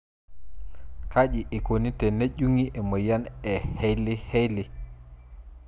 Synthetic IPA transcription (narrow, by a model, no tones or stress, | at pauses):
kaʄiʔɛkonitɛneʄuŋiʔɛmɔjanɛhejlihejli